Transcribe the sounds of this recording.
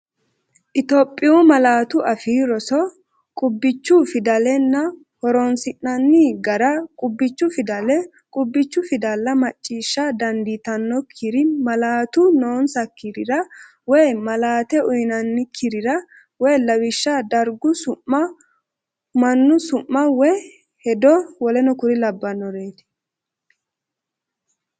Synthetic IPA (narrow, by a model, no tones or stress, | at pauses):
ʔɪt̪opʼːɪʊmɐlaːt̪ʊɐfiːɾɔsɔ | kʼʊbːɪt͡ʃːʊfɪd̪ɐlɛnːɐ | hɔɾɔnsɪnːɐnːiɡɐɾɐkʼʊbːɪt͡ʃːʊfɪd̪ɐlɛ | kʼʊbːɪt͡ʃːʊfɪd̪ɐlːɐmɐt͡ʃʼːiːʃːɐd̪ɐnd̪it̪ɐnːɔkʰɪɾɪmɐlaːt̪ʊnoːnsɐkːɪɾɪɾɐ | wɔjmɐlaːt̪ɛʊjnɐnːɪkʰɪɾɪɾɐ | wɛjlɐwɪʃːɐd̪ɐɾɡʊsʊʔːɐ | mɐnːʊsʊʔːɐwɛ | hɛd̪ɔwɔlɛnɔkʊɾɪlɐbːɐnːɔɾeːt̪ɪ̥